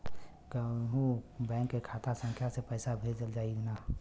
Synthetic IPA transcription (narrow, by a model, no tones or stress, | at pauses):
kɦũbɛ̃ːŋkːekʰaːt̪ʰasə̃ŋkʰjasepəɪsabʱed͡ʒəld͡ʒaːina